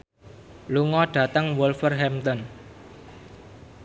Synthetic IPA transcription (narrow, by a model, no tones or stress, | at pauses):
luŋɔɖ̥ä̤t̪əŋwulfərɦɛmt̪ɔn